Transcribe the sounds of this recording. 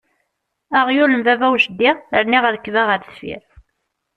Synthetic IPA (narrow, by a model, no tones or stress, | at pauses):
aʁjuləmvævæwʃəd̪ːiʁəɾniʁəðkːvæʁəɾsfḭɾ